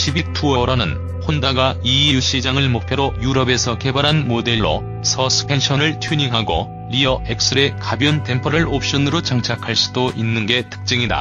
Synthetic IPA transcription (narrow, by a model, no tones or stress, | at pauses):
ɕʰibik̚tʰuʌɾʌnɯ̰n | hondaɡaiuɕ͈ʰid͡ʑaŋɯɭmok̚pʰjʌɾojuɾʌbe̞sʰʌke̞baɾɦanmode̞ɭːo̰ | sʰʌsʰɯ̥pʰe̞nɕʰʌnɯɭtʰjuɲiŋɦaɡo̰ | ɾiʌek̚s͈ɯɾe̞kabjʌnte̞mpʰʌɾɯɭop̚ɕ͈ʌnɯɾot͡ɕaŋt͡ɕʰakʰaɭs͈u̥doʔinːɯnɡe̞tʰɯ̥k̚t͡ɕ͈ɯŋida̰